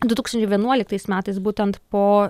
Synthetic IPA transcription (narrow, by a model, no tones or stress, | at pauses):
d̪ʊt̪uːkst̪ɐnʲt͡ʃʲʊɪʋʲiɛnuɔlʲɪk̚t̪ɐɪsmʲæːt̪ɐɪsbuːt̪ʲɛnt̪poː